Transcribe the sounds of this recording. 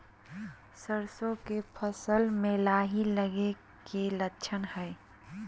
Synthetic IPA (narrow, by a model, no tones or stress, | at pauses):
səɾsõkepʰəsəlmẽlaːɦiləɡe | kelət͡ʃʰənhɛj